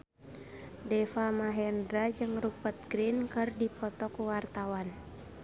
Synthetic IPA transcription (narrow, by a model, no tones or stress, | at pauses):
dɛfamaɦɛndɾad͡ʒɨŋrupət̪̚ɡɾinkɨrdipʰɔt̪ɔkuwart̪awan